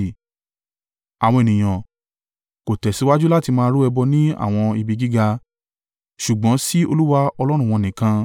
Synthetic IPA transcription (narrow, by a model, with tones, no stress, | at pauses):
a˨w̃ɔ̃˧e˨nĩ˨j̃ã˨ | ko˨tɛ˨si˨˦wa˦d͡ʒu˦la˦ti˧mãː˧ɾu˦ɛ˧bɔ˧nĩ˦a̰˦˨w̃ɔ̃˧i˧bi˧ɡi˦ɡa˧ | ʃu˨ɡ͡bɔ̃˨˦si˦o˧lu˦wa˦ɔ˧lɔ˦ɾ̃ũ˦˨w̃ɔ̃˧˨nĩ˨kã˧